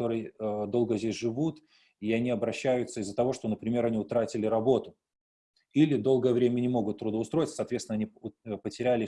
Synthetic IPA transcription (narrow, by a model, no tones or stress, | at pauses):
o̞ɾɨjd̪o̞lˠɡəzʲdʲesʲʐɨvut̪ | iɐnʲiɐbɾɐɕːæjʊt̪səɪzːət̪ɐvo̞ʂt̪o̞nəpɾʲɪmʲe̞ɾɐnʲiʊt̪ɾatʲɪlʲɪɾɐbo̞t̪ʊ | ilʲɪd̪o̞lˠɡəjəvɾʲemʲənʲɪmo̞ɡʊt̪ːɾʊd̪əʊst̪ɾo̞jɪt̪əsɐt̪vʲet̪sʲnɐnʲipətʲɪɾʲælʲɪ